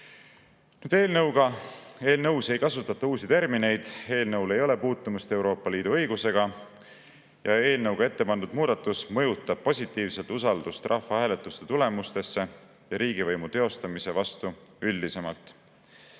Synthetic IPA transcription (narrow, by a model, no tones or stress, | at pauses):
nyːd̪e̞ːlnɤwɡ̥ɑe̞ːlnɤwse̞jkɑsut̪ːˑɑt̪ːˑɑuːsit̪e̞rmine̞jd̪̥e̞ːlnɤwle̞jo̞le̞puːt̪ˑːumust̪e̞wɾo̞ːpˑːɑliːd̪̥uɤ̞jɡuse̞ɡ̥ɑ | jɑe̞ːlnɤwɡ̥ɑe̞t̪ːe̞pɑnd̪ud̪̥muːd̪̥ɑt̪ːˑusmɤ̞jut̪ːˑɑb̥̚po̞sʲit̪ːˑiːvse̞lt̪usɑld̪̥ust̪rʔɑhfːɑhæːle̞t̪ːˑust̪et̪ule̞must̪e̞sːe̞ | jɑɾiːɡ̥ivɤjmut̪e̞o̞st̪ɑmise̞vɑst̪uylʲd̪ise̞mɑlt̪ˑ